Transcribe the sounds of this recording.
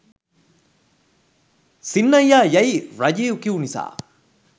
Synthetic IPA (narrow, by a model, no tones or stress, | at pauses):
sinːɐjːaːjɐiɾɐjeːukiunisa̰ː